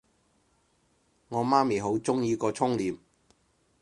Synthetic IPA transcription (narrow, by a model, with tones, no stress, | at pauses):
ŋɔː˨˧maː˥miː˨˩ɦo˨˥wt͡sʊ˥ŋjiː˧kɔː˧t͡sʰʊ˥ŋliː˨m